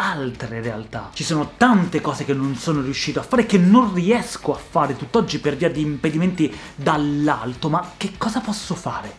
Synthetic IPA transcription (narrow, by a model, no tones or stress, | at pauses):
alt̪ɾeɾea̰lt̪a̰t͡ʃisoːnot̪ant̪ekɔːzekenːonsoːnorjuʃːiːt̪oafːaːɾekenːonriɛskoafːaːɾet̪ut̪ːɔd͡ʒːiperviːad̪iːmped̪iment̪i | d̪alːa̰lt̪omak̟ːekːɔːzapɔsːofa̰ːɾe